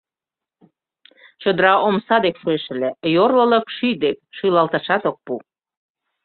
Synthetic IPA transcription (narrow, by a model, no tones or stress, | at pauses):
t͡ɕə̆d̪əɾɑʔomsɑd̪ekfueʃə̆lejorlə̆lə̆kʃyd̪ekʃylɑlt̪ɑʃɑt̪ok̚pu